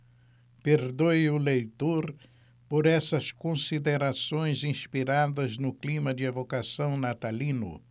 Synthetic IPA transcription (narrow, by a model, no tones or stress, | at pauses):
peɾd̪ojʊlejt̪oɾ | poɾɛsɐskõsid̪eɾasõj̃zĩspiɾad̪ɐznʊklimɐd͡ʒɪavokasɐ̃w̃nat̪alĩnʊ̰